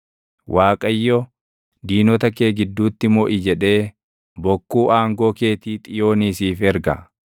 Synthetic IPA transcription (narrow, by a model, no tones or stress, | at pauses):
wʔaːkʼɐjːɔ | d̪iːnɔt̪ɐkeːɡɪd̪ːuːt̪ːɪmɔʔɪd͡ʒɛᶑe̞ː | bɔkːuːʔaːŋɡoːke̞ːt̪iːt̪ʼɪjo̞ːniːsiːfɛɾɡɐ̰